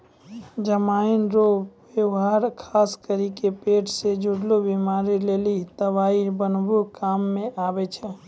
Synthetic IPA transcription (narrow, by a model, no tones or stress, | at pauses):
d͡ʒəmainɾobewɦaɾkʰaːskəɾikepeʈsed͡ʒuɽlobimaːɾilelit̪əbaːibənbuɾkaːmːẽʔaːbɛt͡ʃʰɛ